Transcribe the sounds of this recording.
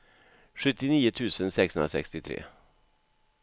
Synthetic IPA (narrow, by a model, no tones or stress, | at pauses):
ɧɵt̪ːɪniːʊt̪ʰʉ̟ːsənsɛkshɵnɾa̰sɛ̰kst̪ɪt̪ʰɾḛː